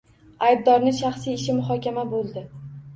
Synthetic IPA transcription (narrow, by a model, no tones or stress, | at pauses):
ajb̚d̪ɒɾnɪʃaχsijɪʃɪmʊɦɒkʲamabolˠd̪ɪ